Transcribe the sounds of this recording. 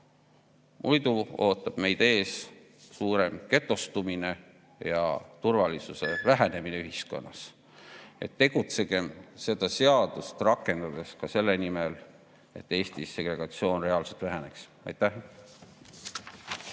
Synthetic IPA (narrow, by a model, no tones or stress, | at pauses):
mʔujd̪uo̞ːt̪ːˑɑb̥me̞jd̪̥e̞ːs | suːɾe̞mke̞t̪ːˑost̪umine̞ | jɑ̰t̪urvɑlisuse̞væɦene̞mineyɦisko̞̰nːɑs | e̞̰t̪ːe̞ɡ̥ut̪se̞ɡ̥e̞mse̞d̪̥ɑse̞ɑd̪̥ust̪rɑkːˑe̞nd̪̥ɑd̪̥e̞skɑse̞lːe̞nimel | e̞̰t̪ːe̞ːst̪isːe̞ɡ̥re̞ɡ̥ɑt̪sio̞ːnre̞ɑːlse̞lt̪væɦæne̞ks | ɑ̰jt̪ːæh